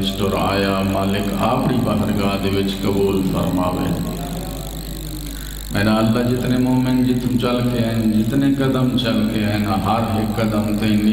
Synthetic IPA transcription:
sʈoːɾa̰ːjamaːlɪkʰaːpɽibəɦəɾɡaːd̪eʋɪt͡ʃkɐbuːlfə̰ɾmaːʋḛ | mɛ̃ːnaəlːad͡ʒɪt̪nemoːmeɳʈd͡ʒɪt̪ʰmt͡ʃɐlkeɦənd͡ʒɪt̪nekɐd̪əmt͡ʃɐlkeɦənɦəɾɦeːkːɐd̪əmt̪ẽn

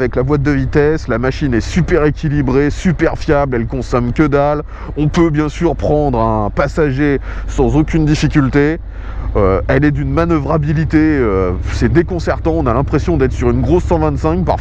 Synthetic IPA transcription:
vɛklabwat̪̚d̪əvit̪ɛslamaʃinɛsypɛʁekʲilibʁesypɛʁfjablɛlkɔ̃sɔmkʲəd̪al | ɔ̃pøbjɛ̃syʁpχɑ̃d̪ʁɛ̃pasaʒesɑ̃zokʲynd̪ifikʲylt̪e | øɛlɛd̪ynmanəvʁabilit̪eøsɛd̪ekɔ̃sɛʁt̪ɑ̃ɔ̃nalɛ̃pχesjɔ̃d̪ɛt̪χsyʁynɡʁosːɑ̃vɛ̃t̪sɛ̃kpa̰ʁf

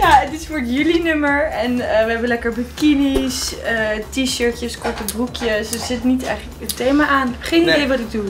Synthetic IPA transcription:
jaədɪsfʊɹdjylinʏməɹɛnəʋəɦɛbənlɛkəɹbəkinisətiʃøɹtjəskɔɹtəbrukʰjəssɪtnitɛjχləkəntejmaʔaːnɪbχejnidejʋɑtɪk̚du

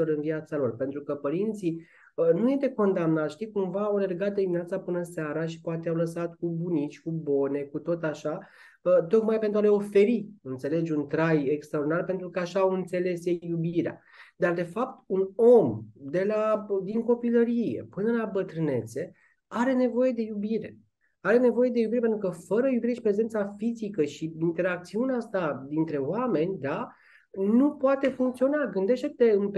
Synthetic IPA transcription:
oɾɨnviat̪salo̞rpe̞nt̪ɾukəpəɾint̪si | ənuje̞st̪e̞ko̞nd̪amnat̪ʃt̪ikumvaːwle̞rɡat̪̚d̪ed̪iminat̪sapɨnəseaɾaʃi̥poat̪eawləsat̪kubunit͡ʃʲkubo̞ne̞kut̪o̞t̪aʃa | ət̪o̞kmajpe̞nt̪ɾuale̞o̞fe̞ɾiɨnt̪se̞le̞d͡ʒunt̪ɾajekst̪ɾaoɾrd̪inarpent̪ɾukəaʃaːwɨnt̪se̞le̞sjejubiɾea̰ | d̪ard̪e̞fap̚t̪uno̞md̪e̞lad̪iŋko̞piləɾije̞̰pɨnəlabət̪ɾɨne̞t̪se̞ | aɾe̞ne̞vo̞je̞d̪e̞jubiɾe̞̰ | aɾe̞ne̞vo̞je̞d̪e̞jubiɾepent̪ɾukəfəɾəjubiɾeʃipɾe̞ze̞nt̪safizikəʃiint̪e̞ɾakt̪siuneaast̪ad̪int̪ɾe̞oame̞nʲd̪a | nupoat̪e̞fuŋkt̪sio̞naɡɨnd̪e̞ʃt̪et̪eɨnp

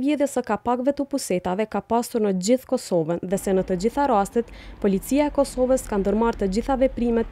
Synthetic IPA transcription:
vɛðjɛsəkapaɡvɛt̪əpusɛt̪avɛkapasuɾnəd͡ʑiθkɔsɔvənðɛsɛnət̪əd͡ʑiθaɾast̪ɛt̪pɔlit͡siaɛkɔsɔvəskand̪əɾmaɾt̪əd͡ʑiθavɛpɾimɛt̪̚

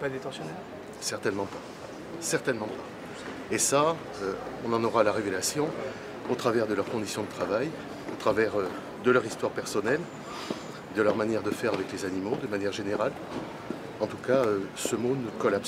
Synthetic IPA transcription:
pad̪et̪ɑ̃sjɔnɛ | sɛʁt̪ɛnmɑ̃pa | sɛʁt̪ɛnmɑ̃pa | esa | øɔ̃nɑ̃nɔʁalaʁevelasjɔ̃ | ot̪χavɛʁd̪əlœʁkɔ̃d̪isjɔ̃d̪ət̪χavaj | ot̪χavɛʁø | d̪əlœʁist̪waʁpɛʁsɔnɛl | d̪əlœʁmanjɛʁd̪əfɛʁavɛklezanimod̪əmanjɛʁʒeneʁal | ɑ̃t̪ukaøsəmonəkɔlaps

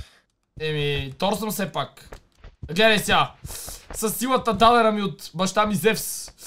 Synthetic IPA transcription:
ɛmit̪ɔɾsəmsɛpak | ɡlɛd̪ɐjsʲja | sɐsːilˠət̪əd̪alɛɾɐmiot̪bɐʃt̪amizɛfs

